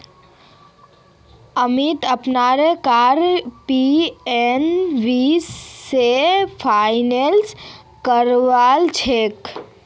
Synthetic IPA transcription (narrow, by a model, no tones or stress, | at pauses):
əmit̪əpnaɾekaɾpienʋisːepʰaɪnels | kəɾʋaːlt͡ʃʰek